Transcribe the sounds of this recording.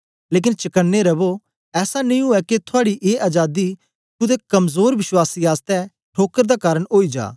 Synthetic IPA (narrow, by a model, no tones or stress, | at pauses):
leːk̬ɪnt͡ʃɐkənːeɾɐbo | ɛːsanĩːɦʊɛket̪ʰʊaːɽiʔeːʔad͡ʒaːd̪i | t̪ʊd̪ekɐmzoːɾʋɪʃwaːsiːaːst̪ɛ | ʈʰoːkəɾd̪aːkaːɾəɽɦoːid͡ʒa̰ː